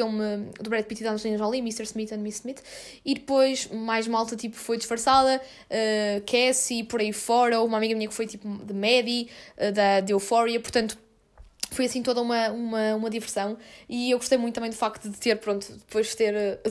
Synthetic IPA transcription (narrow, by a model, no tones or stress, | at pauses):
emɨd̪uβɾɛt̪̚pit̪iðanɐʒlˠinɐʒãlˠĩmiʃt̪ɛɾsmit̪ɐ̃nmissmit̪ | iðɨpojʃmajʒmalˠt̪ɐt̪ipu̥fojd̪ɨʃfɐɾsaðɐ | ɛkʰɛsipɔɾɐifɔɾɐoumamiɣɐmiɲɐkfojt̪ipud̪ɐmɛðiɛðɐd̪ewfɔɾiɐpuɾt̪ɐ̃nt̪u̥ | fojɐsĩt̪oðɐumɐumɐumɐðivɨɾsɐ̃w̃iewɣuʃt̪ɐjmũt̪ːɐmɐ̃j̃d̪ufak̚t̪uðɨt̪eɾpɾõnt̪u̥d̪ɨpojʃt̪eɾɛ